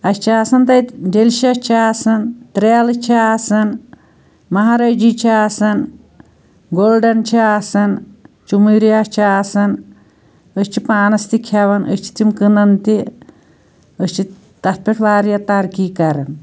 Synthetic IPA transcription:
ɐst͡ʃʰiasɐnt̪ɐjɖelʃiɐt͡ʃʰiasɐnt̪ɾelt͡ʃʰiasɐn | mɐɦaɾɐd͡ʒit͡ʃʰiasɐn | ɡolɖɐnt͡ʃʰiasɐnt͡ʃumɨɾiɐt͡ʃʰiasɐn | əst͡ʃʰipaːnɐst̪ikʰɐʋɐnə̰st͡ʃʰi̥t̪imkɨnɐnt̪i | əsʲt͡ʃʰi | t̪ɐt̪̚pʲeʈʰʋaːɾjɐt̪ɐɾkiːkɐɾɐn

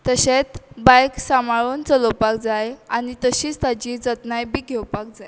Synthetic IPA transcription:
t̪əɕet͡sbajksamaɭont͡səlɔpakd͡zajanit̪əɕiːt͡st̪ad͡ʑiːd͡zət̪najbiːɡʱewpak̚d͡zaj

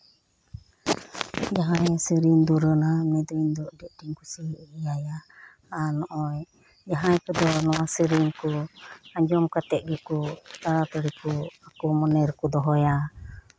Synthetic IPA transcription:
d͡ʒaɦajsəɾind̪uɾənamnɛd̪ɔind̪ɔʔdɛʔdiŋkusiijaja | anɔʔɔj | d͡ʒaɦajpəd̪ɔnɔwasəɾinkuaɲd͡ʒɔmkat̪ɛʔɡɛkut̪aɾat̪əɾikuakumɔnɛɾkud̪ɔɦɔja

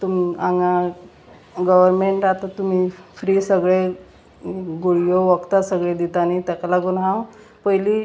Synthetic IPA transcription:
t̪umiaŋa | ɡəʋəɾmeɳʈɾat̪at̪um̤iːfɾiːsəɡɭe | ɡuɽjoʋəkt̪asəɡɭed̪it̪anit̪ɛkalaɡuːnɦã | pəjliː

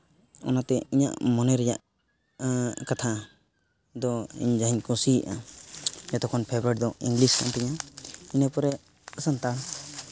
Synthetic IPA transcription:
ɔ̰nat̪ɛiɲa̰ʔmɔnɛɾɛja̰ʔ | kat̪ʰa | d̪ɔḭɲd͡ʒaɦiɲkũsiʔa̰ | jɔt̪ɔkʰɔnpʰɛbɔɾɛʈid̪ɔḭŋɡliskʰa̰ʔnt̪ɛɲainəpɔɾɛ | sant̪a

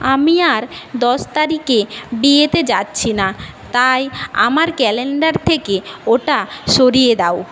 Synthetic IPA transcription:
amiaɾd̪ɔʃt̪aɾikebiet̪ed͡ʑatːɕʰinat̪aja̰maɾkɛleɳɖaɾt̪ʰekeoʈaʃoɾijed̪aw

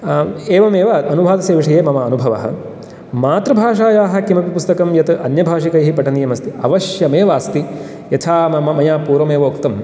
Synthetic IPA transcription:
eːʋɐmeːʋaɐnubʱaːt̪ɐseːʋiʂɐjeːmɐmɐːnubʱɐʋɐ̰ɦɐ̰̆ | maːt̪ɾɐbʱaːʂaːjaːɦɐ̆kimɐpipust̪ɐkɐmjɐt̪ɐʔɐnjɐbʱaːʂikɐjɦipɐʈɐnijɐmɐst̪iɐʋɐʃjɐmeːʋaːst̪i | jɐt̪ʰaːmɐmɐmɐjaːpuːɾʋɐmeːʋoːkt̪ɐm

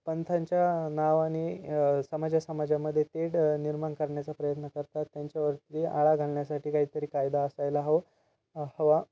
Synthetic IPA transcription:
pənt̪ʰaɲt͡ɕjanaʋaɽ̃isəmad͡ʑjasəmad͡ʑaməd̪ʱːjet̪eɽniɾmaɳkəɾɳjat͡sapɾəjət̪nəkəɾt̪at̪ːjaɲt͡ɕjaʋəɾt̪ɾiːaɭaɡʱaɭɳjasaʈʰiːkaɦiːt̪əɾiːkajd̪aəsajlaɦo | həʋa

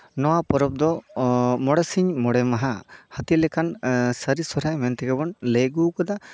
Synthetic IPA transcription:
nɔwapɔɾɔb̚d̪ɔmɔɽɛsiɲmɔɽɛmaɦahət̪ilɛkansəɾisɔɾajmɛnt̪ɛɡɛbɔnleɡukɔd̪a

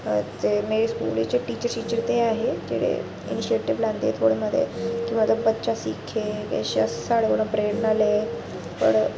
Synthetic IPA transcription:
t̪emeɾiskṵlḭt͡ɕeʈiːt͡ɕəɾʈit͡ɕəɾt̪eaɦed͡ʑḛɽḛ | ḭniɕieʈiʋland̪ḛt̪ʰoɽeməd̪ʱjḛkĩʋat̪əbətːt͡ɕasikʰːekɛ̰ɕə̰ssaɽʋəɽõpɾeəʈnale | pə̰ɳ

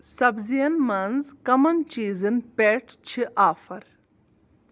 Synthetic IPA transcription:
sɐbzijɐnmɐnzkɐmɐnt͡ʃiːzɨnpeːʈt͡ʃʰiʔaːfɐɾ

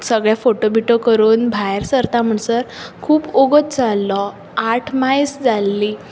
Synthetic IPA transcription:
səɡɭjafoʈobiʈokəɾuːnbʱajɾsəɾt̪am̤əɳsəɾkʰuːpoɡət̪d͡zalːɔ | aʈʰmajsd͡zalːi

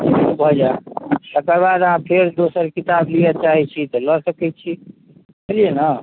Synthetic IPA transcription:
bʱəd͡ʒaʃəkəɾbad̪əɦãpʰeɾd̪osəɾkit̪abliət͡ʃaɦit͡ʃʰit̪ɔləsəkɛt͡ʃʰi | əɾienə

